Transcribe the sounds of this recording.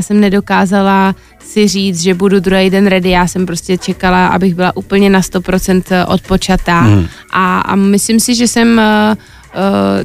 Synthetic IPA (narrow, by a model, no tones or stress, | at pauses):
sɛmnɛdo̞kaːzala | sɪr̝iːt͡sʒɛbudud̪ɾuɦejdɛnɾɛdɪjaːsɛmpɾo̞scɛt͡ʃɛkalaʔa̰bɪɣbɪlaʔuːpl̩ɲɛnast̪o̞pɾo̞t͡sɛnt̪ʔo̞̰t̪̚po̞t͡ʃat̪a | ʔa̰mɪslɪmsɪʒɛsɛm